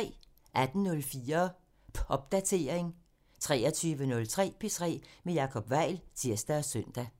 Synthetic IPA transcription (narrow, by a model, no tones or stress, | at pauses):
ʔæd̥n̩nɔ̽lfiːɐ | pʰʔɒ̽b̥̚d̥æt͡sʰe̝ːɐe̝ŋ | t͡sʰʁɛ̰ːɒt͡sʰyːʋənɔ̽lt͡sʰʁɛ̰ːpʰe̝t͡sʰʁɛ̰ːmejɑ̈kʰɒ̽b̥ʋɑ̈ɪ̰lt͡sʰiɐ̰sd̥æɒsœn̰d̥æ